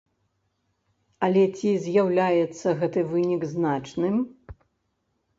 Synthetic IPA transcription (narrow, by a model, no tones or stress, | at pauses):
ɐlʲɛt͡sʲizʲjawlʲajɛt̪sːɐɣɛt̪ɨvɨnʲiɡznat͡ʂnɨm